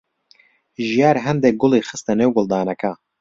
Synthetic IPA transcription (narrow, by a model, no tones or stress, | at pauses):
ʒijaːɾɦɛnd̪ɛk̚ɡʊlˠiːxɨst̪ɐnewɡʊlˠd̪aːnɐka